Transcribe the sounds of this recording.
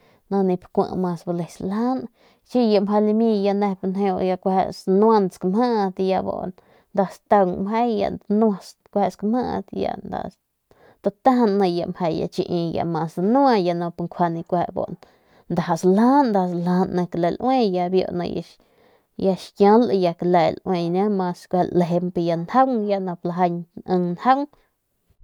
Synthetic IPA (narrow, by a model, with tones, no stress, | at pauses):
nã˧nĩ˧pkʷã̰˧ʔmã˧sba˧le˨sla˦n | t͡ʃi˦ja˧ma˧li˧mĩ˧ja˧ne˧pnɦe˧o˧ja˧kʷhḛ˧snwa˧nskma˦ʔt̪ja˧bo̰˧˨n | nd̪a˧st̪a˧mɦe˦jja̰˧nwa˧s | kʷhe˧skma̰˦˧t̪ja̰˧nd̪a̰˧ | d̪a˧t̪a˦hnːã˧ja˧mhe˧jja̰˧t͡ʃi˧ʔĩ˧ja̰˨mã˧sd̪a˧nũ˦a˧ja˧nã˧pŋkʷʰa˧nĩ˧kʷe˧ʔbo̰˧ʔn | nd̪a˨ɦa˨sla˦nd̪a˧sla˧nːã˧kle˨lʔwẽ˦ja˧bjo̰˧˨nã̰˧ja̰˧ | ja˧ʃkjã˧˦lja˧kle˨lwẽ˧nã˦mã˧skʷllɦe˧mpe˧ja˧nha˦ŋja˧nã˧pla˧ɦa˧ɲə˧ŋnha˦ŋ